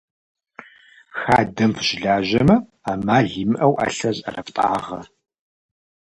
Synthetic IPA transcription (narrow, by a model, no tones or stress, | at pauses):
xaːdɐmpʰʒ̥ɪɮaːʒɐmɐaːmaːɮiːmɨʔɐwʔa̰ːɬɐzʼɐ̰rɐptʼa̰ːʁɐ